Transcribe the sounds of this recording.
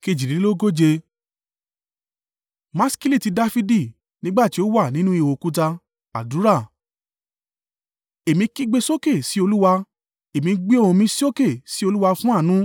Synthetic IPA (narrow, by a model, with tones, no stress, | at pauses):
ke˧˨d͡ʒi˨ɾi˨˦lo˦ɡo˦d͡ʒe˧ | mã˦ski˦li˦˨ti˧da˦fi˧˦di˦˨ | nĩ˦ɡ͡ba˦˨ti˨˦o˦wa˦˨nĩ˦nũ˦i˦˧˨wo˨ku˦t̬a˧ | a˨du˨˦ɾa˦˨ | e˨mĩ˧ki˦ɡ͡be˧so˦ke˦˨si˦o˧lu˦wa˧ | e˨mĩ˧ɡ͡bi˦o˦˨ũ˧mĩ˧si˦o˦ke˦˨si˦o˧lu˦wa˧fũ˦a˦˨nũ˦